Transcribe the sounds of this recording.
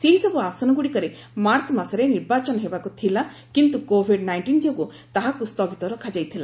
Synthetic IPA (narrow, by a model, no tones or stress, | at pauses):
seɦisɔbuasɔnɔɡuɽikɔɾe | maɾt͡ʃmasɔɾeniɾbat͡ʃɔnɔɦebakut̪ʰila | kint̪ukobʱiɖnajɳʈind͡ʒoɡu | t̪aɦakust̪ɔɡit̪ɔɾɔkʰad͡ʒajt̪ʰila̰